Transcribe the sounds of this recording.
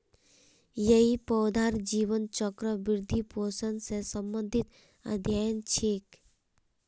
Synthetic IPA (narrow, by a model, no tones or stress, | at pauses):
jəipɔwd̪ʱaɾd͡ʒiːʋənt͡ʃɔkɾəʋiɾd̪ʱiposənsesəmbənd̪ʱit̪ | ə̰d̪ʱjajənt͡ʃʰeːk